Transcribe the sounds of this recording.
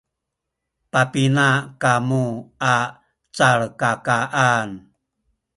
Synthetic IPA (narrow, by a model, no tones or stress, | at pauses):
papinakamua | t͡saɭkakaʔan